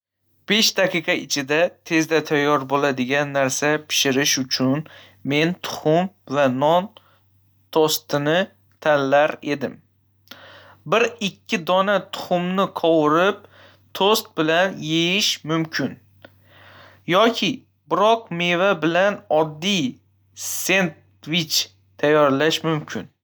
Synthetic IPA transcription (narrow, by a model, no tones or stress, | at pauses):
b̥e̞ʃd̪aqʰɨqʰɑɪt͡ʃʰɪd̪at̪ʰe̞zd̪at̪ʰajːɒɾbolad̪ɪɡʲanːaɾsapʰɪ̥ʃɪɾɪʃʊt͡ʃʰʊn | me̞nt̪ʰʊ̥χʊmvanɒn | t̪ʰost̪ɪnɪ | t̪ʰanlaɾe̞d̪ɪm | bɪɾɪkʲʰːɪd̪ɒnat̪ʰʊ̥χʊmnɪqʰɒwɪɾɪp̚ | t̪ʰost̪̚bɪlanjejɪʃmʊmkʲʰɪn | jɒkʲʰɪ | bɪɾɒqme̞vabɪlanɒd̪ːij | se̞nt̪ | vit͡ʃ | t̪ʰajːɒɾlaʃmʊmkʲʰɪn